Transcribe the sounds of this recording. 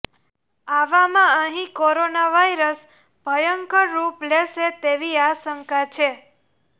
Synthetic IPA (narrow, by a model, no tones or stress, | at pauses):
aʋamãəɦĩkoɾonaʋaiɾəs | bʱəjəŋkəɾːupleʃet̪eʋiasəŋkat͡ʃʰe